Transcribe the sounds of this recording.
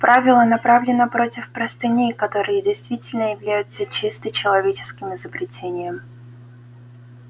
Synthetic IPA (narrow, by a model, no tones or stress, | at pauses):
pɾʔavʲɪlˠənɐpɾavlʲɪnəpɾo̞tʲɪfpɾɐst̪ɨnʲejkɐt̪o̞ɾɨjədʲɪjst̪vʲitʲɪlʲnəjɪvlʲæjʊt̪sət͡ɕist̪ɨt͡ɕɪlˠɐvʲet͡ɕɪ̥skʲɪmɪzəbɾʲɪtʲʰenʲɪjəm